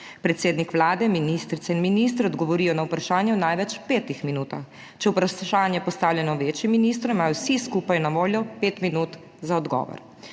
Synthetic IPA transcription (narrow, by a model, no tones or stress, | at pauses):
pɾɛt̪seːd̪nikʋlaːd̪ɛminist̪ɾit̪sɛinminis̬t̪ɾɛɔd̪ɡɔʋɔɾiːjɔnawpɾaʃaːnjɛwnajʋɛt͡ʃpeːt̪ixminuːt̪ax | t͡ʃɛwpɾaʃaːnjɛpɔst̪aːwlʲɛnɔʋeːt͡ʃjimːiniːst̪ɾumimaːjɔwsiskupajnaʋoːljɔpeːt̪minuːt̪ | zaɔd̪ɡɔ̰ːʋɔ̰ɾ